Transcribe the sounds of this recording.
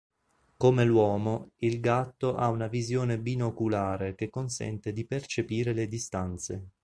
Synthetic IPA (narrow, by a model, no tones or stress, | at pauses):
komelwɔːmoilɡat̪ːoʔaunavizjoːnebinokulaːɾek̟ekːonsɛ̰nt̪ed̪ipert͡ʃepiːɾeled̪ist̪ant̪se